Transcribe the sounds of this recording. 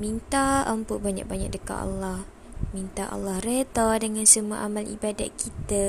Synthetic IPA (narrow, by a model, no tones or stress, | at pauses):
mint̪aəmpʊʔ̚baɲa̰k̚baɲa̰k̚dəka̰ʔa̰lːah | mint̪aʔa̰lːahret̪adəŋãnsəmua̰ʔamalʔḭbada̰t̪̚kʰit̪ə